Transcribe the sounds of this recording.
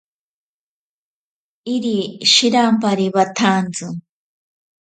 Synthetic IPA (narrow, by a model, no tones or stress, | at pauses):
iɾiʃiɾampaɾiβat̪ʰant͡sɨ